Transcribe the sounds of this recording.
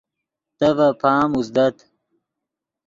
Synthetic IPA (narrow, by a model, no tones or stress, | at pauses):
t̪ɐvɐpʰaːmusd̪ɐt̪